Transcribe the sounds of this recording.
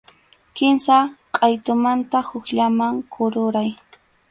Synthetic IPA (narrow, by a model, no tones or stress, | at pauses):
kɪmsaqʼajt̪ʊmant̪ahʊkʎamaŋkʰʊɾʊɾaj